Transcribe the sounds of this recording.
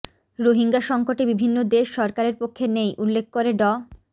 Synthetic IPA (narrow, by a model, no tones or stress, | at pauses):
ɾoɦiŋɡaʃɔŋkoʈebibʱinːod̪eʃːɔɾkaɾeɾpokʰːenejʔulːekʰːkoɾeɖɔ